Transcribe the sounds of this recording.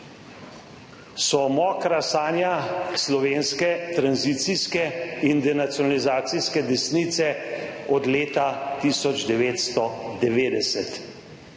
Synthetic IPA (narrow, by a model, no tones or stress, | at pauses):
sɔmɔːkɾasaːnjaslɔʋeːnskɛt̪ɾanzit̪siskɛind̪ɛnat̪sjɔnalizaːt̪siskɛd̪ɛsnit̪sɛɔd̪leːt̪at̪isɔd͡ʒd̪ɛʋeːt̪st̪ɔd̪ɛʋeːd̪ɛsɛt̪